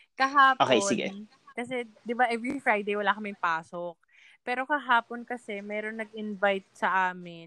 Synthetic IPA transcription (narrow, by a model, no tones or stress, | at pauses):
kɐɦaːpʔokejsɪɡɛ̰ | kɐs̬ɛd̪ɪbaʔɛvɹifɹajd̪ejwɐlaːkɐmɪŋpaːsok̚ | pɛːɾo̞kɐɦaːpo̞nkɐsɛmɛːɾo̞nːɐɡ̚ɪnvajt̪̚sɐʔaːmɪn